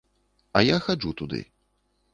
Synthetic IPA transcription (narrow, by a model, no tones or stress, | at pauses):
ɐjaxad͡ʐut̪ud̪ɨ̰